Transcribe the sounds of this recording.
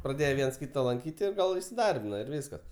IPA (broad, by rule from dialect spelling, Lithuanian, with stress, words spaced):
prɐˈdʲeːjɛ ˈʋʲiɛns ˈkʲiːtɐ lˠɐŋʲˈkʲiːtʲ ɪ ˈɡɐlˠ ɪsʲɪˈdɐrʲbʲɪnɐ ɪr ˈʋʲiːskɐs